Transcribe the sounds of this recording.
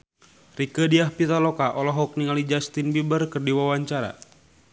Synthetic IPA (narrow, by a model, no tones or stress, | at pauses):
rikədiahpit̪alɔkaʔɔlɔɦɔk̚niŋalid͡ʒast̪inbibərkərdiwawaɲt͡ʃaɾa̰